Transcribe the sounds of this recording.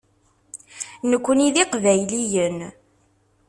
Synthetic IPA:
nəkʷːəniðiqvæjlijən

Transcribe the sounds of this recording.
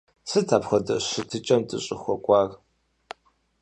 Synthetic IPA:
sɨtʰaːpχʷɐdɐ̰ɕɨtʰɨt͡ʃʼɐmtʼɨɕʼɪxʷɔkʷʼɑːr

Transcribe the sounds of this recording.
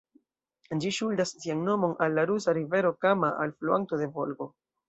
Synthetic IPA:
d͡ʒiʃuldassianno̞mo̞nalːaɾusaɾive̞ɾo̞kamaʔalfluanto̞de̞vo̞lɡo̞

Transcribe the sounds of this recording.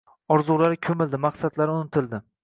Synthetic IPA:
ɒɾzulaɾɪkʲʰɵmɪld̪ɪmaqsad̪laɾɪʊnɪt̪ʰɪld̪ɪ

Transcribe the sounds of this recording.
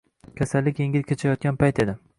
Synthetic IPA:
kʲʰasalːɪkʲjeŋʲɪlkʲʰet͡ʃʰajɒt̪̚ɡʲanpajt̪ʰe̞d̪ɪ

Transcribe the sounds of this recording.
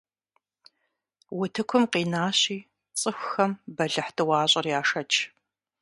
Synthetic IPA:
wʊtʰɨkʷʰʊmqiːnaːɕiː | t͡sʼɨxʷxɐmbɐɮɨħtʰɨwɑːɕʼɐrjaːʂɐt͡ʃʰ

